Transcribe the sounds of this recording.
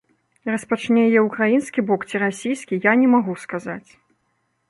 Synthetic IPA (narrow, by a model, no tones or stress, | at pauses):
rɐspat͡ʂnʲɛjɛukɾajinskʲibɔkt͡sʲiɾasʲijskʲijanʲɛmaɣuskazat͡sʲ